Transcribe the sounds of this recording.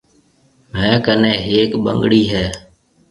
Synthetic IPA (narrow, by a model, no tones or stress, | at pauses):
mɛ̃ːkənẽːɦeːkɓə̰ŋɡɽiːɦɛː